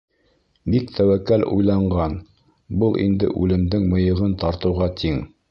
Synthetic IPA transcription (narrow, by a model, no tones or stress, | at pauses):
bikt̪ʰæwækælṵjlˠɑɴɢɑn | bɤlˠʔḭnd̪ɘ̰ʔʉlɘ̆md̪ɘŋmɤ̆jɤ̆ʁɤnt̪ɑɾt̪ɤ̆wʁɑt̪ʰiŋ